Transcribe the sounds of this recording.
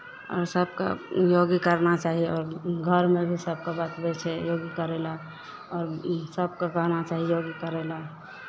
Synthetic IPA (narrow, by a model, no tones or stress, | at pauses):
ɔ̰ːɾsəb̚ka̰joɡikəɾnat͡ʃaɦiɔːɾɡʱəɾmebʱisəb̚ʱkabat̪bɛt͡ʃʰɛjoɡikəɾɛla | ɔːɾsəb̚kakəɾnat͡ʃaɦijoɡikəɾɛla